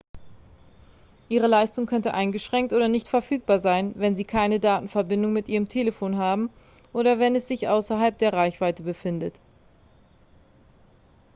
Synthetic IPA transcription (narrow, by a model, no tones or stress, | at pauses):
ʔiːʁ̞əlaɪstʊŋkʰœntəʔaɪnɡəʃʁ̥ɛŋktʔoːdɐnɪçtfɛɐfyːk̚b̥aːɐzaɪnvɛnziːkʰaɪnədaːtn̩fɛɐbɪndʊŋmɪtʔiːʁəmtʰeːləfoːnɦaːbm̩ | ʔoːɾɐvɛnɛsz̥ɪçʔaʊsɐɦalp̚d̥eːɐʁaɪçv̥aɪtəbəfɪndət